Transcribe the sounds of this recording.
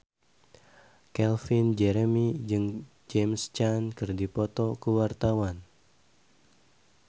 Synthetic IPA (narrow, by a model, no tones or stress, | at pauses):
kɛlfind͡ʒɛɾɛmid͡ʒɨŋ | d͡ʒɛmst͡ʃankɨrdipɔt̪ɔkəwart̪awan